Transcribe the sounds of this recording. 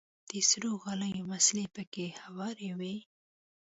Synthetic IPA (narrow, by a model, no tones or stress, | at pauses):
d̪̥əsɾoɣɑləjomaslepəkehawɑɾewe